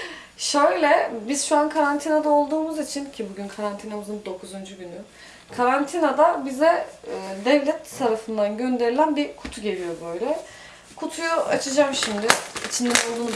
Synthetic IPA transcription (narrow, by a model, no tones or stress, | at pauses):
ʃøjlʲɛbiz̥ʃuankʰaɾant̪ʰinad̪ao̞lˠd̪uːmuzit͡ʃʰincʰibuɟynkʰaɾant̪ʰinamɯzɯnd̪o̞kʰuzund͡ʒuɟyny | kʰaɾant̪ʰinad̪abizɛːd̪ɛvlʲɛt̪ʰːaɾafɯnd̪anɟø̞nd̪e̞ɾilʲænbikʰu̥t̪ʰuɟe̞lʲijo̞bø̞jlʲɛ | kʰut̪ʰujua̰t͡ʃʰɯd͡ʒamʃimd̪ɪit͡ʃʰind̪ɛnolˠd̪uːnu